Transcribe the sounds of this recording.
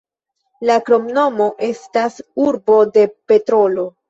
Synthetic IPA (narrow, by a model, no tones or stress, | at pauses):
lakɾo̞mno̞mo̞ʔe̞stasuɾbo̞de̞pe̞tɾo̞lo̞